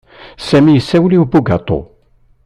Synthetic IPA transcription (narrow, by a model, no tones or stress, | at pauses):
sæmijəsːæwliwbuɡɑt̪ˤo̰